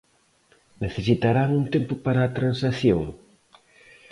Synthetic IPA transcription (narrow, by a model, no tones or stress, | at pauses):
neθesit̪aɾaŋunt̪empʊpaɾaːt̪ɾansaθjoŋ